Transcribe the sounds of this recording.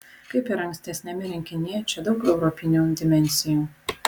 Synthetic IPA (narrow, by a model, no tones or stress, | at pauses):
kɐɪpɪɾɐŋksʲt̪ʲɛsʲnʲɛmʲɪɾʲɪŋʲkʲɪnʲɪt͡ʃʲɛd̪ɒʊkɛʊɾɔpʲɪnʲuːd̪ʲɪmʲɛnʲsʲɪjuː